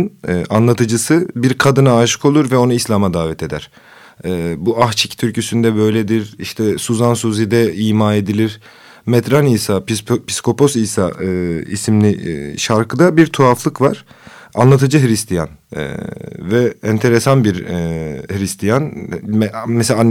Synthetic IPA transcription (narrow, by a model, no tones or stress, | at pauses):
nːʔanlˠat̪ʰɯd͡ʒɯsɯbiɾkʰad̪ɯnaːʃɯ̥kʰo̞lˠuɾvɛo̞nuislʲamad̪aːvɛt̪ʰe̞d̪æɾ̥ | ɛːbuaxt͡ʃʰict̪ʰyɾcʰysynd̪ɛbø̞jlʲed̪iɾiʃt̪ʰɛsuzansuzid̪ɛiːmaːe̞d̪ilʲiɾ̥ | mɛt̪ɾanijsapʰi̥sko̞pʰo̞sijsaɯḭsimlʲiʃaɾkɯd̪abiɾt̪ʰuaflˠɯkvaɾ̥ | a̰nlˠat̪ʰɯd͡ʒɯɦɾist̪ʰija̰nɛ̰vɛɛnt̪ʰe̞ɾesanbiɾ | hɾist̪ʰijanmɛmɛselʲan